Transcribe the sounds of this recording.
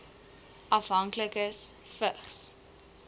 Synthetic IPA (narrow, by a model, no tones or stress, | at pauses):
ʔɐfɦɐŋkləkəs | fəχs